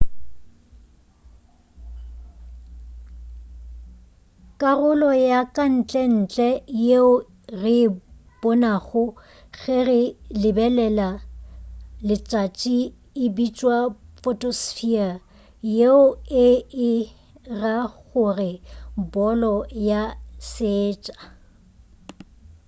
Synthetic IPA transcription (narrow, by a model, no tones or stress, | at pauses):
kʼarʊlɔjakʼan̩t͡ɬʼɛn̩t͡ɬʼɛjeʊ | rɪb̥ɔnaɣʊ | ɣɛrɪlɪbɛlɛla | lɪt͡ʃʼat͡ʃʼi | ɪbit͡ʃʼwafɔtʼosfia | jeʊɪɪ | raɣʊrɪbɔlɔjaseːt͡ʃʼḁ